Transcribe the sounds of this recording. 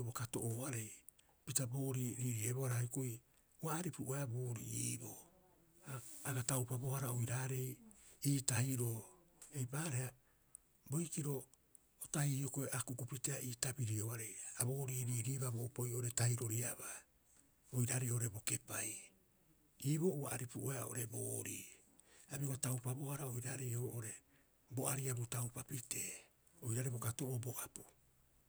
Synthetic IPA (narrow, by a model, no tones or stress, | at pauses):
obokatoʔoaɾe̞j | pitaboːɾiɾiːɾieboaɾaikoj | uaːɾipuɾuʔajaboːɾḭiːbo | aaɡatawpabo̞haɾaojɾaːɾe̞jiːtahiɾo | ejbaːɾeha | bo̞jkiɾo̞ | otahiokoeʔakukupiteaiːtabiɾioaɾejabo̞ːɾiːɾiːɾiːβaboupojooɾe̞tajɾo̞ɾiaba | ojɾaɾeoʔoɾebo̞ke̞paj | iːβo̞ʔuaʔaɾipuʔueaʔo̰ɾe̞boːɾḭː | abiokotawpabo̞haɾaojɾaɾejoʔoɾe̞ | bo̞ʔaɾiabutawpapite̞ː | o̞jɾaɾebokatoʔoboʔapu̥